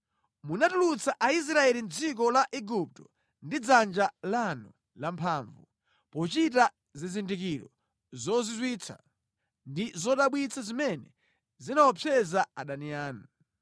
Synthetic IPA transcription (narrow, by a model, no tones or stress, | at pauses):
munatulut͡saʔais̬ɾaɛlin̩d͡zik̬ɔlaʔɛɡup̚tɔ | ndid͡zand͡ʒalanu | lampʰaːɱvu | pɔt͡ʃita | zizindik̬iɾɔ̰ | zɔzitwit͡sʰa̰ | ndizɔɗaɓwit͡sʰazimɛnɛ | zinawɔpʰɛzaaɗaniaːnu